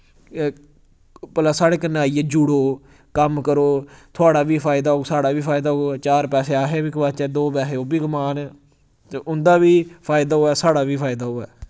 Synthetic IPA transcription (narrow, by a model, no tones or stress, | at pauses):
pəlaːsaːɽeːkənaːiːɛːd͡ʒuɽoː | kəmkəɾoːt̪ʰʊaːɽaːʋiːpʰaːɪd̪aːɦoːsaːɽaːʋiːpʰaːɪd̪aːɦoɛːt͡ʃaːɾpɛːseːaːɦeːbiːkəʋaːt͡ʃɛːd̪oːbɛːɦeːoːbiːɡʊmaːnɛ | t̪eːʔʊnd̪aːʋiːpʰaːɪd̪aːɦoːɛːsaːɽaːʋiːpʰaːɪd̪aːɦoːɛ̰ː